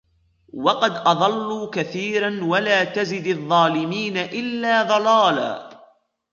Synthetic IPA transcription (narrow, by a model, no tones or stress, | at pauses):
wɑqɑd̪ʔɑðˤɑlːuːkaθiːɾanwalaːt̪azɪd̪ɑðˤːɑːlɪmiːnaʔɪlːaːðˤɑlɑːla̰ː